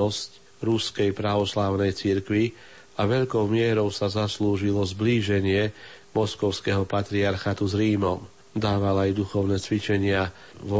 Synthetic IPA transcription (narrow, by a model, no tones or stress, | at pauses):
ɔsc | ɾuskɛjpɾaʋɔslaːʊnɛjt͡siɾkʋi | aʋɛʎkɔʊmɪɛɾɔʊsazasluːʒilɔzbliːʒɛɲɪɛ | mɔskɔʊskɛɦɔpat̪ɾiaɾxat̪uzɾiːmɔm | d̪aːʋalajd̪uxɔʊnɛt͡sʋit͡ʃɛɲɪa | ʋ